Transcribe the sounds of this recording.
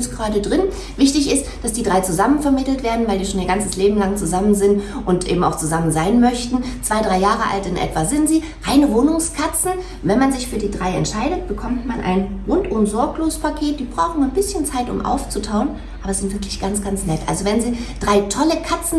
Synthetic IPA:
sɡ̥ʁaːɾədʁɪn | vɪçtɪçɪstd̥asd̥iːdʁaɪt͡suzamənfɛɐmɪtl̩tv̥eːɐdn̩vaɪldiːʃoːniːɐɡant͡səsleːbm̩laŋt͡suzamənzɪntʔʊntʔḛːbm̩a̰ʊxt͡suzamənzaɪnmœçtn̩t͡sv̥aɪdʁaɪjaːʁəʔa̰ltɪnʔɛ̰tv̥azɪntz̥iː | ʁaɪnəvoːnʊŋskʰat͡sn̩ | vɛnmanzɪçfyːɐdiːdʁaɪɛ̰ntʃaɪɾətb̥əkʰɔmtmanʔa̰ɪnʁʊntʔʊmzɔɐkloːzəspʰakʰeːt̚d̥iːbʁaʊxn̩anbɪsçənt͡saɪtʊ̰mʔa̰ʊft͡sutʰaʊən | ʔaːbɐz̥ɪntv̥ɪɐklɪçɡ̥ant͡sɡ̥ant͡snɛtʔa̰lzovɛnziːd̥ʁaɪtʰɔləkʰat͡sn̩

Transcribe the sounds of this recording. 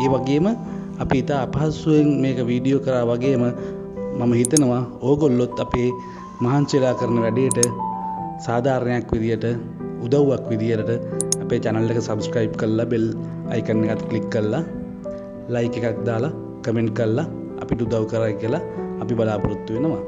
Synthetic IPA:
eːʋaɡeːmə | ɐpiːt̪aːpaɦasueŋmeːkəʋiːɖijoːkəɾaːʋaɡeːmə | maməɦit̪ənəʋaoːɡolːot̪ːapeː | maɦant͡ʃelaːkəɾənəʋæɖejəʈə | saːd̪ʱaːɾnɐjakʋid̪ijəʈə | ud̪awʋakʋid̪ijələʈəɐpeːt͡ʃanəlːekəsɐbskɾajb̚kəɾlːabel | a̰jkənːekat̪klikːəɾəla | lɐjkekak̚d̪aːla | kəmeɳʈ̚kəɾlːa | ɐ̰piʈəud̪awkəɾaːkiəlaːpibɐlaːpuɾut̪ːuʋenəʋa

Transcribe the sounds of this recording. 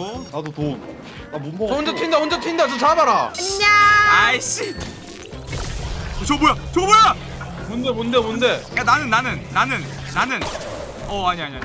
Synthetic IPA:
nadot̪on | amoond͡ʑetʰind̪aond͡ʑet̪ʰind̪at͡ɕot͡ɕamaɾaɲaaiɕ͈i | ot͡ɕobojat͡ɕoboja | monde̞mondemonde̞ananɯnːanɯnːanɯnː | anɯn | ʌaɲiaɲia

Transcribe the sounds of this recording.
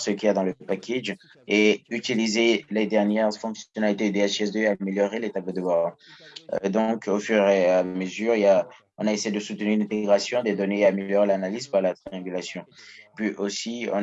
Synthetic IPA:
səkʲiad̪ɑ̃ləpakʲeʒ | eyt̪ilizeled̪ɛʁnjɛʁfɔ̃ksjɔnalit̪ed̪eaʃɛs̬d̪øameljɔʁelet̪ablod̪əva̰ | d̪ɔ̃kofyʁeaməzyʁija | ɔ̃naesejed̪əsut̪ənyʁynɛ̃t̪eɡʁasjɔ̃d̪ed̪ɔneaːmeljɔʁelanalizpaʁlat̪χiɑ̃ɡʲylasjɔ̃pɥiʔosiɔ̰̃

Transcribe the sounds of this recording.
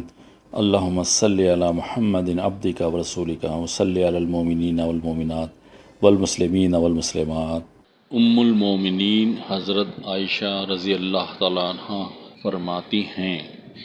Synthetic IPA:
ɐ̰lːaːɦʊmːasɐlːiɐlaːmʊħɐmːɐd̪ɪnɐ̰b̚d̪ɪkawɐɾɐsuːlɪkawɐsɐlːiɐlaːlmoːmɪniːnawɐlmoːmɪnaːt̪̚ | wɐlmʊslɪmiːnaʋɐlmʊslɪmaːt̪̚ | ʊmːʊlmoːmɪniːnhɐzɾət̪aːɪʃaɾɐzijəlːaːɦt̪aːlaɐnhafɐɾmaːt̪ihɛ̃ː

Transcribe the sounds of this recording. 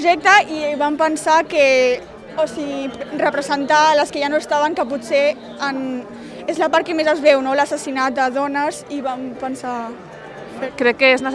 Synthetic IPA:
ʒɛk̚t̪əiβampənsake | osiɣirəpɾəzənt̪aləskəʒanoəst̪aβəŋkəputse | ən | ezləpaɾt̚kemezəzβɛwnoləsəsinat̪̚d̪əðɔnəziβampənsa | fekɾɛkːəeznə

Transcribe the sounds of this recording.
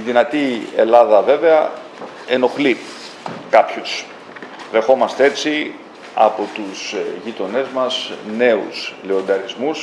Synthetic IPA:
iðinɐt̪ie̞lɐðɐve̞ve̞ɐ | e̞no̞xli | kɐpçus | ðe̞xo̞mɐst̪ee̞t͡si | ɐ̰po̞t̪usʝit̪o̞ne̞zmɐsne̞ṵsle̞o̞nd̪ɐɾizmus

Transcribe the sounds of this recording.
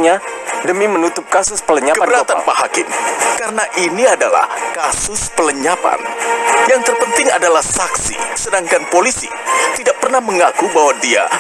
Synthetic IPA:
ɲadəmimənut̪ʊp̚kasʊspələɲakəbəɾat̪anpaɦa̰kɪ̰nkaɾənaʔiniadala̰hkasʊspələɲapa̰njaŋt̪ərpənt̪ɪŋa̰dalahsaksḭsədaŋkanpolisḭ | t̪idaʔ̚pərnahməŋakubaɦwadia̰

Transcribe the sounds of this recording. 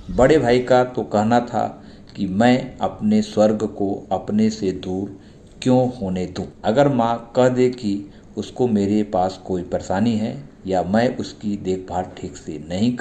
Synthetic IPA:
bɐɽebʱaːikat̪okɛɦnat̪ʰa̰ | kimɛ̃ːɐpneswɐɾɡʱkoɐpnesed̪uːɾ | kjõːhoːned̪ũːɐɡəɾmãkɐɦd̪eki | ʊskomeːɾepaːskoːipəɾesaːniɦɛ̰ | jamɛ̃ːʔʊskid̪eːkʰbʱaːɾʈʰiːksenɐɦĩk

